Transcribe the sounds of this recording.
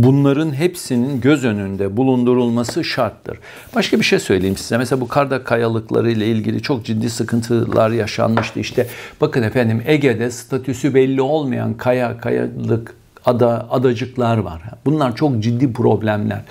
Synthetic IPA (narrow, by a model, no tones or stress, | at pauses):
bunlˠaɾɯnɦepsininɟø̞zø̞nynd̪ɛbulˠund̪uɾulˠmasɯʃaɾt̪ʰːɯ̰ɾ̥ | b̥aʃkabiʃejsøjlʲejimsizɛmɛseabukʰaɾd̪akʰːajalˠɯklˠa̰ɾɯjlˠailʲɟilʲḭt͡ʃʰo̞k̚d͡ʒid̪ːiːsɯkʰɯnt̪ʰɯlˠʔaɾjaʃa̰nmɯʃt̪ɯiʃt̪ʰɛb̥akɯnefænd̪imeɟed̪ɛst̪ʰat̪ʰysybɛlʲːio̞lˠmaja̰nkʰajakʰaja̰lˠɯk | ad̪aad̪ad͡ʒɯklˠaɾva̰ɾ̥bunlˠaɾt͡ʃʰo̞k̚d͡ʒid̪ːiːpʰɾo̞blʲæmlʲæ̰ɾ̥